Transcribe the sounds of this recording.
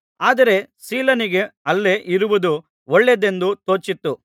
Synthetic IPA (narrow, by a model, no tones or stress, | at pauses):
aːd̪ɐɾe̞ | siːlɐniɡe̞ɐlːeʔiɾuʋud̪u | oɭːed̪e̞nd̪ut̪o̞ːt͡ʃit̪ːu